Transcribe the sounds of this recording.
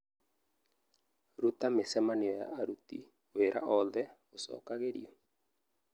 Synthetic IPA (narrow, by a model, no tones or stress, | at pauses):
ɾut̪amesɛmanɪɔa̰ʔaɾut̪ḭ | weɾʔa̰ʔɔðɛosɔ̰kaɣedḭɔ